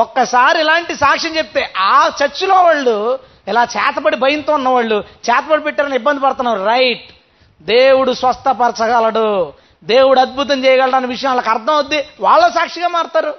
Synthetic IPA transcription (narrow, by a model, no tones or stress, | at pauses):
ɔkːɐsaːɾiilaːɳʈisaːkʂɐɲt͡ʃep̚t̪eːʔaːt͡ʃɐɾt͡ʃːulo̞ːʋaːɭːu | ilaːt͡ʃɛːt̪ɐpɐɽibʱɐjɐnt̪uːunːɐʋaːɭːut͡ʃɛːt̪ɐpɐɽipɛʈːaːɾɐnibːɐnd̪ipɐɽt̪unːaːɾuɾɐjʈ̚ | d̪eːwuɽusʋɐst̪ʰɐpɐɾt͡ʃɐkaːlɐɽu | d̪e̞ːwuɽuɐd̪̚bʱut̪̬ɐmt͡ʃɛːjɐɡɐɭɽaːnikʋiʂɐjɐ̃mloːkɐɾd̪ʱɐmɐd̪ːiʋaːɭːoːsaːkʂiɡaːmaːɾt̪aːɾu